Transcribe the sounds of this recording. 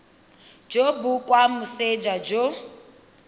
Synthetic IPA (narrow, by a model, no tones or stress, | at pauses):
d͡ʒobukʼwamused͡ʒad͡ʒo